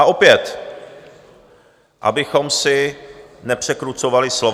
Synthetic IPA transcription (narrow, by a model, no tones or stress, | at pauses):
aʔo̞pjɛt̪ | ʔa̰bɪxo̞msɪnɛpr̝̥ɛkɾut͡so̞valɪslo